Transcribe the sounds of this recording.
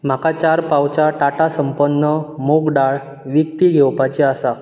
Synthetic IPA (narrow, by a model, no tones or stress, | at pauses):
m̤akat͡ɕaɾpawt͡ɕaʈaʈasəmpənːəmoɡɖaɭ | ʋik̚t̪iɡʱewpat͡ɕeasa